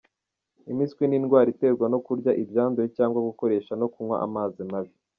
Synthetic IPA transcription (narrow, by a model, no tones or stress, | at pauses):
imiskwininɡwaːɾite̞ɡwano̞kuɾɟaʔibjaːndujecaːŋɡwaɡuko̞ɾe̞ːʃano̞kumŋwa̰ʔa̰maːzimaβi